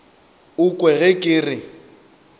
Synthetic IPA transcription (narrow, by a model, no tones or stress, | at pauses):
ʊkʼwɛɣɛkʼɪːrɪ